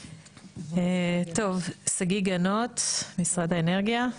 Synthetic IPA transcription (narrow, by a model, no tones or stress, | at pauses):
et̪o̞vsaɡiɡanotmisʁad̪aeneʁɡija